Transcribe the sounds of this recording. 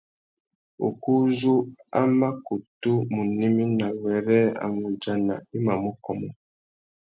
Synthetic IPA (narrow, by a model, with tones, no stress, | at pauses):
o̰˨ku˦zu˦a̰˦ma˦ku˨tu˦mu˨ni˦mi˦na˨wɛ˨ɾɛ˦a̰˨mu˨d͡ʒa˦na̰˨i˦ma˨mɔ˦kɔ˨mɔ˨